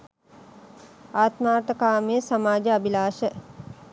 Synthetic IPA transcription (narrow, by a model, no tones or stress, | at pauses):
aːt̪maːʈ̪əkaːmeːsamaːd͡ʒəabilaːʃə